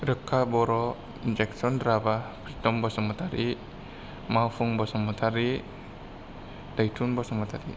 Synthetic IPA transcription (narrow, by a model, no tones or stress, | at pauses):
ɾəkːabɔɾɔ | ind͡ʒɛksɔnɾabapɾit̪ɔmbɔsamat̪aɾi | mafuŋbɔsamat̪ʰaɾi | d̥ajt̪unbɔsamat̪aɾi